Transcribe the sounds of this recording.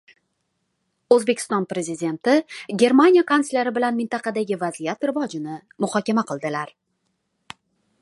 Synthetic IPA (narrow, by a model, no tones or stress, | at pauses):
ɵzbe̞kʲʰɪ̥st̪ɒnpɾe̞zɪd̪ʲe̞nt̪ɪɡʲe̞ɾmanʲijakʰanslʲaɾɪbɪlanmɪnt̪ɑqʰɑd̪aɡʲɪvazijat̪ɾɪvɒd͡ʒɪnɪ | mʊhɒkʲamaqʰɨlˠd̪ɪlaɾ